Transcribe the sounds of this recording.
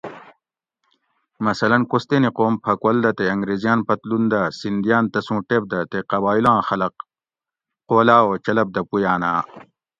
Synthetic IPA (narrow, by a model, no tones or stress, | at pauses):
mɐsɐlɐnkost̪eniqoːmpʰɐkwɐld̪ɐt̪eɐŋɡɾeːzijaːnpɐt̪lund̪asind̪ijaːnt̪ɐsũːʈeb̚d̪ɐt̪eqɐbaːilãːxɐlɐq | qoːlaːoːt͡ɕɐlɐb̚d̪ɐpujaːnaː